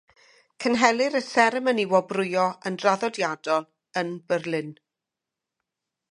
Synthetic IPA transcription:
kʰənɦɛlˠɨɾəθɛɾəməniwɔbrʊjɔənraðɔdjadɔlˠ | ənbərlˠɨn

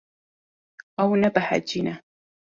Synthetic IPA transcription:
ʔawnabaħa̰d͡ʒɪna

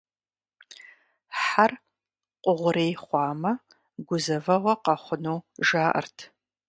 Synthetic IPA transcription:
ħar | qʷʼʊʁʷʊɾeːjχʷɑːmɐ | ɡʷʊzɐvɐʁʷɐqɐχʷʊnoːʒaːʔɐ̰rtʰ

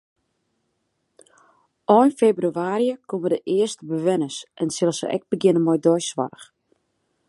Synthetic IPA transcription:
ʔɔjnfebryaːɾjəkʰomədəʔɪəstəbəʋɛnəsʔɛnsɪlˠəsə̰ʔɛ̰k̚bəɡɪnənmɔjdɔjsʋa̰rəx

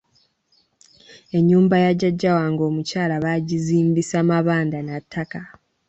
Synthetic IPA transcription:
e̞ɲːuːmbajaɟːaɟːawaːŋɡo̞ːmucaːlaβaɟiziːmbisamaβaːndanatʰːaka

